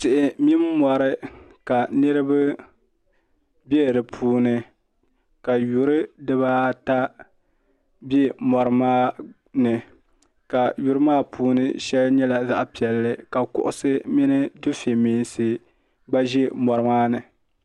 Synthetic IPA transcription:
tɪ˨ʔɪ˨mi˦m˦mɔ˨ɾɨ˦ka˨nɨ˦ɾɨ˦bɨ˦ | bɛ˦˨dɨ˨pʰuː˦nɨ˦ | ka˨ju˨ɾɨ˦dɨ˦βaː˦ta˦ | bɛ˦mɔ˨ɾɨ˦maː˦ | nɨ˨ | ka˨ju˨ɾɨ˦maː˦pʰuː˦nɨ̰˦ʃɛ˦lɲɛ˦la˨za̰˨ʔpi˨ɛ˨lːɨ˦ka˨kʊ̰˦ʔʊ˦sɨ˦mi˦nɨ˦dʊ˦fe˨miː˨nsɨ˦ | ɡ͡ba˦ʒɛ˦mɔ˨ɾɨ˦maː˦nɨ˨

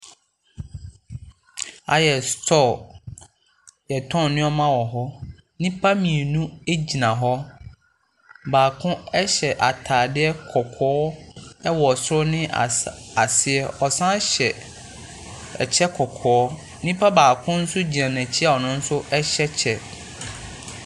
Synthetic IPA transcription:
a̰˨jɛ˨stʰɔ˦˨ | jɛ˨tʰɔ̃˦nnɪ̃˦ɔ˦mã˦wɔ˨ɦɔ˦ | nɪ̃˦pʰa˦mĩ˨e˨nũ˦e˦d͡ʑi˨nã˨ɦɔ˦ | baː˨kʰʊ̃˦ɛ˦ɕɛ˨ʔa˨tʰaː˨dɪ˦ɛ˦kʰɔ˨kʰɔː˦ɛ˦wɔ˨sɾɔ˦nɪ̃˦˨a˨sɪ˦ɛ˦ɔ˨sã˦ɕɛ˨ | ɛ˨t͡ɕʰɛ˦kʰɔ˨kʰɔː˨˦ | nĩ˦pʰa˦baː˨kʰʊ̃˦n̩˦sʊ˦d͡ʑi˨ã˨nɛ̃˨t͡ɕʰi˦a˨ɔ˨nʊ̃˦n̩˦sʊ˦ʔɛ˦ɕɛ˦t͡ɕʰɛ˨

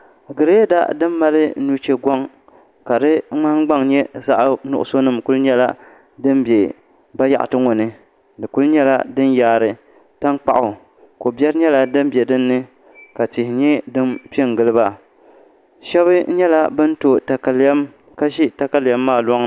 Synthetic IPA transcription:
ɡɨ˨ɾe˦da̰˦dɨ˦mː˦a˦lɨ˦nu˦t͡ʃe˦ɡa˦ŋ | ka˨dɨ˦ŋ͡ma˦ɡ͡ba˦ŋɲɛ˦za˦ʔnʊ̰˨ʔʊ̰˨so˦nɨ˦˨mku˦lɲɛ˦la̰˦ | dɨ˦mbe˨ | ba˦ja̰˨ʔa̰˨tɨ˦ŋo˨nɨ˦ | dɨ˨ku˦lɲɛ˦la̰˦dɨ˦n˦jaː˨ɾɨ˨ | ta˦ŋk͡pa˨ʔʊ˨ | ko˨bɛ˦ɾɨ˦ɲɛ˦la˦dɨ˦mbjɛ˨dɨ˦nːɨ˦ | ka˨tɪ˨hɪ˨ɲɛ˦dɨ˦mpi˦ɛ˦˨ŋ˨ɡɨ˦lɨ˦ba˦ | ʃɛ˦βɨ˦ɲɛ˦la˦bɨ˦n˦to˨ta˨ka˨lɛ˦m | ka˦ʃi˦ta˨ka˨lja˦mːaː˦˨lɔ˦ŋ

